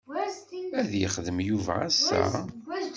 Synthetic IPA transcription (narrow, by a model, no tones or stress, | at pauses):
æðjəχðəmjuvææsæ̰